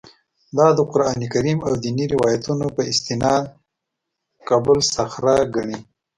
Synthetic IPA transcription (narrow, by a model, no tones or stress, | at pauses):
d̪ɑd̪əqʊɾɑnikaɾimawd̪iniɾɪwɑjat̪unopəɪst̪ɪnɑd̪ | kɑbʊlsaxɾaɡaɳi